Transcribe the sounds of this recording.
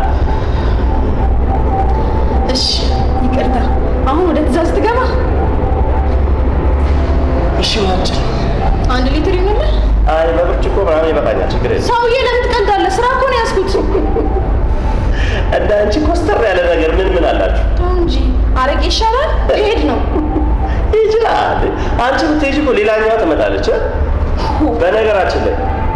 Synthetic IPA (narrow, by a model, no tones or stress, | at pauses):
ʔɨʃːi̥ | jɪɡəɾt̪a | ʔahunwɔd̪ət̪ʰɨzazɨt̪ʰɨɡəma | ʔɨʃːiwlat͡ʃʼɪl | ʔand̪lit̪ʰɨɾimːelːəʔajbəbɨɾt͡ʃʼːɪkʰːobɾʼamjɛbət̪ʼa̰ɲːa̰t͡ʃːɪɡːɨɾḛnːsəwɨjeləmɨt̪ɨkʼənd̪alːəsɨɾakʰonjasɡut̪ː | ʔɨnd̪aɨnt͡ʃikʰost̪ʰəɾjalːənəɡəɾmɨnmɨnalːa̰t͡ʃːuht̪ʰʼoɨɲd͡ʒi | ʔaɾəkʼeʃːalanhed̪nəw | jɪt͡ʃɪla | l̰ː | ʔant͡ʃɪkut̪ʰːeɪd͡ʒikolelaɲːawat̪ʰəmət̪ʼa̰lːət͡ʃːə | bənəɡəɾat͡ʃːɪnːə̰ɲ